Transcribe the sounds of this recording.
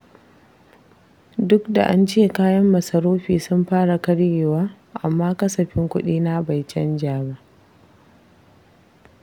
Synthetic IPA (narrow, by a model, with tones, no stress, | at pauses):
dʊ˦kda̰˨ʔa˦nt͡ʃeː˦kaː˦jɐ˦mːɐ˨sɐ˨ɾoː˦ɸiː˨sʊ˦mɸaː˦ɽa˨kɐ˦ɽjeː˨waː˦ | ʔa̰˨mːaː˦kɐ˦sɐ˨ɸɪ˦ŋkʷʊ˦ɗiː˦na˦ba˨jt͡ʃɛ˦nd͡ʒaː˨ba˦ʔ